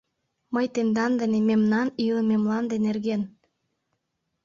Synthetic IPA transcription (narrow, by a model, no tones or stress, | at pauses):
məjt̪end̪ɑnd̪ə̆nememnɑniləmemlɑnd̪enerɣen